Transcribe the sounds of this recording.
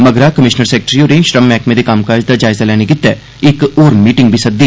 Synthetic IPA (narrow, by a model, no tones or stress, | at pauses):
mɐɡɾakɐmɪʃnəɾseːk̚ʈɾioːɾẽʃɾɐmːɛːkmẽd̪ikaːmkaːd͡ʒd̪ad͡ʒaːɪzalɛːneɡɪt̪ːɛ | ɪkoːɾmiːʈɪ̃ŋɡbʱisɐt̪̚d̪iː